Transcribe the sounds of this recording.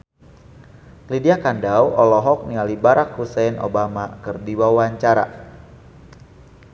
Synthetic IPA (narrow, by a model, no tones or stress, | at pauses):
lidiakandawɔlɔɦɔk̚nialibaɾʔakhusɛno̰bamakɨrdiwawaɲt͡ʃaɾa̰